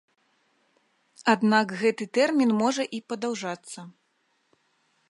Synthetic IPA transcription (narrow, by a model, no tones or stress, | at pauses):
ad̪nakɣɛt̪ɨt̪ɛrmʲinmɔʐɐʔipɐd̪awʐat̪sːɐ